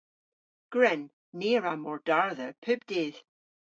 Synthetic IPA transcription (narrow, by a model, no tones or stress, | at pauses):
ɡ̥ɹɛnː | eɹamɔɹd̥aɹðəpʰʉb̚d̥eːð̥